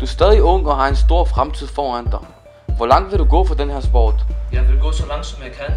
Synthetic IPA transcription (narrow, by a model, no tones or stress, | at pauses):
d̥uæɐsd̥ɛːð̞ˠiɔ̽ŋ̰ɒ̽ɦɑ̈e̝nsd̥o̝ɐ̰fʁamt͡sʰið̞̰ˠfɒːænd̥ɑ̈ɪ | ʋɒlɑ̈ŋ̰d̥ʋe̝ɾuɡ̥ɔ̰ːfɒ̽d̥enhæɐ̰sb̥ɒ̰ːd̥jɑ̈ɪʋe̝lɡ̥ɔ̰̽ːsɒlɑ̈ŋ̰d̥sɒ̽mjɑ̈ɪkʰæn